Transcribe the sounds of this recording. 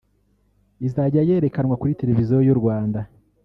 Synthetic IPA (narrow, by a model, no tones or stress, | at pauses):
izaɟaje̞ːɾe̞kanŋwakuɾite̞ɾe̞vizijojuɾɡwaːnda